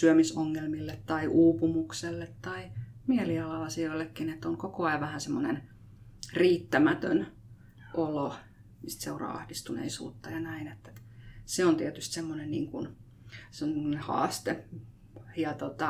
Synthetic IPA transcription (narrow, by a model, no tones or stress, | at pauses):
syømisoŋːelmilːet̪tɑiʔuːpumukselːet̪tɑimiɛliɑlɑɑsioilːekːinet̪ːoŋkokoɑiʋɑhænsemːonḛn | riːt̪ːæmæt̪ø̰n | ʔolo | mist̪seurɑ̰ːɑ̰hdist̪unḛisṵːt̪ːɑjɑnæinet̪ːeseont̪iɛt̪yst̪semːonennḭːŋkun | semːonehɑ̰ːst̪e | jɑt̪ot̪ɑ